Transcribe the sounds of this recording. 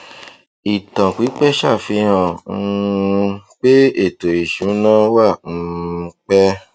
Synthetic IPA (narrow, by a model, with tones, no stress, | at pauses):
i˨tã˨ki˨˦k͡pɛ˦ʃa˦˨fĩ˧ã˨˦˧ | k͡pe˦e˦˨to˨i˨ʃũ˨˦nã˦wã˦˨˧k͡pɛ˦